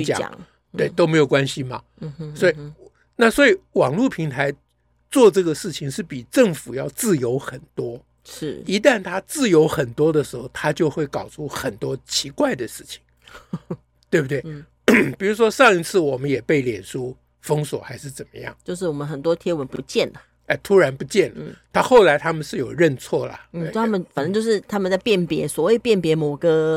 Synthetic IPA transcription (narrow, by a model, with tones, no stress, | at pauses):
t͡ɕjɑ̰˨˦˨ | t̪we˥˩ɪt̪o˥ʊme˧˥ɪjo˨˩ʊkwa˥nɕi˧mɐ̰˨ | swɔ˧˥i˨˩ | na˥˩swɔ˧˥i˨˩wɑ˨˩ŋlu˥˩pʰi˧˥ŋt̪ʰa˧˥ɪ | t͡swɔ˥˧ʈ͡ʂɤ˥˩ɡə˩ʂɻ̩˥˩t͡ɕʰi˧˥ŋʂɻ̩˥˩pi˨˩ʈ͡ʂɤ˥˩ŋfu˨˩jɑ˥˧ʊt͡sɹ̩˥˩jo˧˥ʊxə˨˩nt̪wɔ˥ | ʂɻ̩˥˩i˧˥t̪a˥˩nt̪ʰa˥t͡sɹ̩˥˩jo˧˥ʊxə˨˩nt̪wɔ˥d̪ə˨ʂɻ̩˧˥xo˥˩ʊt̪ʰa˥t͡ɕjo˥˧ʊxwe˥˩ɪkɑ˨˩ʊʈ͡ʂʰu˥xə˨˩nt̪wɔ˥t͡ɕʰi˧˥kwa˥˩ɪd̪ə˩ʂɻ̩˥˩t͡ɕʰi̥˩˦ŋ | t̪we˥˩bu˩t̪we˥˩ | pi˨˩ɻu˧˥ʂwɔ˥ʂɑ˥˧ŋi˧˥t͡sʰɹ̩˥˩wɔ˨˩mə˦njɛ˨˩pe˥˩ɪljɛ˨˩nʂu˥ | fɤ˥ŋswɔ˨˩˦xa˧˥ɪʂɻ̩˥˩t͡sə˨˩nmə˦jɑ̰˥˩ŋt͡ɕjʊʂ̬ɻ̩˥˩wɔ˨˩mə˦nxə˨˩nt̪wɔ˥t̪ʰjɛ˥wə˧˦npu˧˥t͡ɕjɛ˥˩nlə˩ | ɛ˥˧˩t̪ʰu˥ɻa˧˥npu˧˥t͡ɕjɛ˥˩nlə˥t̪ʰa˥xo˥˩ʊla˧˥ɪt̪ʰa˥mə˨nʂɻ̩˥˩jo˨˩ʊɻə˥˧nt͡sʰwɔ˥˩lə̰˨˩n̩ʰ˥˨˩a˧˥mə˨nfə˨˩nə˧˥t͡ɕjo˥˧ʊʂɻ̩˥˩t̪ʰa˥mə˨nt͡sa˥˧ɪpjɛ˥˩npjɛ˧˥swɔ˧˥wi˨˩pjɛ˥˩npjɛ˧˥mo˨˩ɡə˧